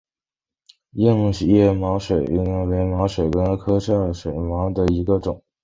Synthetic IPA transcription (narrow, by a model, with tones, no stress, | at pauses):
jɛ˥˧nu˥˩ɕi˨˩jɛ˥˩mɑ˧˥ʊʂwe˨˩ɪ˥n˥we˧˥ɪmɑ˧˥ʊʂwe˨˩ɪkə˥nkʰɤ˥ʂʰɑ˥˩ʂwe˨˩ɪmɑ˧˥ʊd̪ə˧˨i˧˥ɡə˧ʈ͡ʂʊ˨˩˦ŋ